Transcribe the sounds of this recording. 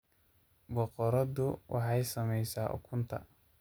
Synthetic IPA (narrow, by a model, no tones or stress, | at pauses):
bɔqɔɾɔdʊwʔɑħɑjsɐmɛjsaːʔʊ̰kʰʊnt̪ʰɐ̰